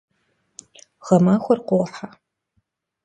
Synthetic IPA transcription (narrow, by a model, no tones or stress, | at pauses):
ʁ̥ɐmaːxʷɔrqʷoʁħa